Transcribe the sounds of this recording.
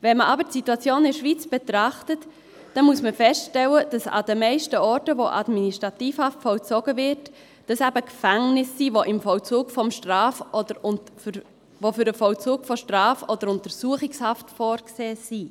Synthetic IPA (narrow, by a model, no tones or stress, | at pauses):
vɛnməʔɑbəɾtsituɑt͡sjoːnɪɾʃʋiːt͡sb̥ɛt̪ɾɑχtət | d̥ɛnmuəsməfɛstʃtɛləd̥ɑsɑ̰dəmɛɪʃtəɔːɾtəvoʔɑ̰dminiʃtɾɑtiːfhɑftfɔlt͡sɔɡəvɪɾt | d̥ɑsæbəkfæŋnɪsːiːvoʔɪmfɔlt͡suːkfɔmʃtʁɑːfɔdəɾ | vofʏɾəfɔlt͡suːkfɔʃtrɑːfɔdəɾʊntəɾsuəχɪkshɑftfɔːɾkseːsi